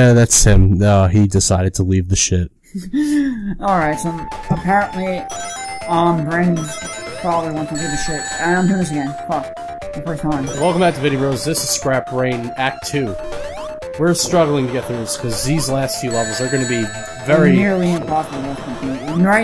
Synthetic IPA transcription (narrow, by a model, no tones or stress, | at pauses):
æðætshɪ̃mʌidɨsaɪɾɨd̚tʰəlivðɨʃɪt̚ | ʔɔlˠɹaɪtsõ | əpʰɛɹə̃nʔli | ʌ̃mbɹẽɪ̃n | fɑðˠə˞wɑ̃nstəlivðɨʃɪt̚ɨ̃mhɪ̃ɹnɨs̬ɨɡɛ̃nfʌk̚ | ðəfɜ˞stʰãɪ̃mwɛlˠkə̃mbæk̚tʰɨvɪɾ̃iɹoʊzðɪsɨz̥skɹæp̚b̥ɹẽɪ̃næk̚tʰʉ | wɪɹstɹ̥ʌɡl̩ˠɪ̃ŋtʰɨɡɛt̪̚ðəz̥kʰʌzðizlæstfjʉlʌvə˞zə˞ɡʌnɨbi | vɛɹinɪɹlˠiɨ̃npʰɑsbæsɪ̃kĩãmɹaɪ